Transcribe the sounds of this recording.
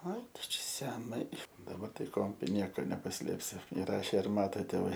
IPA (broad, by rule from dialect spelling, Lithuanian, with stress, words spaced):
ɐɪ ˈtʊ ˈt͡ʃʲɛ sʲɛˈnɐɪ dɐˈbɐr tɐɪ ˈkoː ˈnʲiɛkoː nʲɛpɐˈsʲlʲeːpʲsʲɪ ɪˈrɑːʃʲeː ɪr ˈmɑːtoː tʲeːˈʋɐɪ